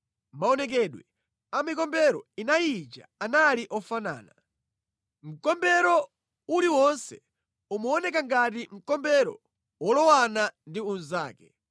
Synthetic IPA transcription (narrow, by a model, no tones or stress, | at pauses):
maɔnɛk̬ɛɗwɛ | amikɔmbɛɾɔinajit͡ʃa̰analiʔɔfana̰ːna | m̩kɔmbɛɾɔ | uliwɔnsɛ | umɔːnɛk̬aŋɡatim̩kɔmbɛɾɔ̰ | wɔlɔwanandiun̩zaːkɛ̥